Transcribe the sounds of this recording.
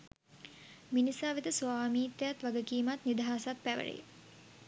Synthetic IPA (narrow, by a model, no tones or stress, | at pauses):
minisaːʋit̪əsuaːmiːt̪ːejat̪ʋaɡəkiːmat̪nid̪ɦaːsat̪̚pæʋə̰ɭḛj